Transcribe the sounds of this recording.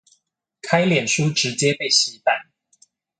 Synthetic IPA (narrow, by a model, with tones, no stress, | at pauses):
kʰa˥ɪljɛ˨˩nʂu˥ʈ͡ʂɻ̩˧˥t͡ɕjɛ˥pe˥˩ɪɕi˧˥pa˥˩n